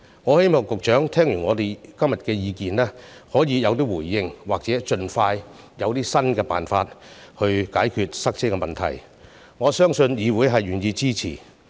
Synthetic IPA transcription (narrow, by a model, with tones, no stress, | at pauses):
ŋɔː˨˧he˥jmɔː˨˩ŋkʊ˨k̚t͡ʃœː˨˥ŋt̪ʰɛː˥ŋjyː˨˩ŋɔː˨˧t̪e˨jkɐ˥mjɐ˨t̚kɛː˧jiː˨˧kiː˨nlɛː˥hɔː˨˥jiː˨˧jɐ˨˧wt̪̬iː˥wuː˨˩jːɪ˧ŋwaː˨k̚t͡sɛː˨˥t͡ʃɵ˧nfaː˧j | jɐ˨˧wt̪iː˥sɐ˥nkɛː˧pa̰ː˨nfaː˧t̚hɵ˧ɥkaː˨˥jkʰyː˨˧t̚sɐ˥k̚t͡sʰɪ˥kːɛ˧mɐ˨nt̪ʰɐ̰˨˩j | ŋɔː˨˧sœː˥ŋsɵ˧njiː˨˧wuː˨˧jɦɐ˨jyː˨˩njiː˨˧t͡siː˥t͡sʰḭː˨˩